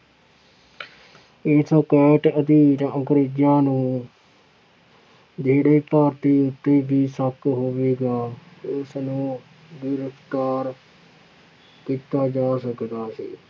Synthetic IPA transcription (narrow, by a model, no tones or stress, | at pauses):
eːskɛːʈəd̪iːɾə̃kɾeːd͡ʒjãːnũː | d͡ʒeːɽeːpaːɾt̪iːʊt̪ːeːbiːsəkɦoːʋeːɡaːʊsnũː | d̪ɪɾəft̪aːɾ | kiːt̪aːd͡ʒaːsəkd̪aːsḭː